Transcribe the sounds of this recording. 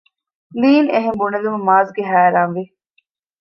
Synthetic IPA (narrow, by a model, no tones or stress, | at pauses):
liːneɦembuɳɐlumɐmaːzɡeɦæːɾaːnʋi